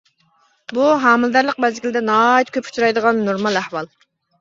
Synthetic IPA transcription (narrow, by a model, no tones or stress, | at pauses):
buɦɑːmɨlˠd̪æɾlˠəq̚bɛzɡʲild̪ɛnɑit̪̚kʲʰøp̚kʰu̥t͡ʃʰuɾɑjd̪əʁɑnːuɾmɑlˠæhwɑlˠ